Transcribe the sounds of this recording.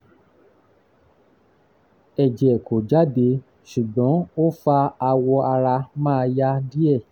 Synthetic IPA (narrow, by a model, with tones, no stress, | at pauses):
ɛ˨d͡ʒɛ˨ko˨d͡ʒa˨˦be˨˧ | ʃu˨ɡ͡bɔ̃˨˦o˦fa˧a˧wɔ˧a˧ɾa˧mãː˦˧ja˦di˦ɛ˦˨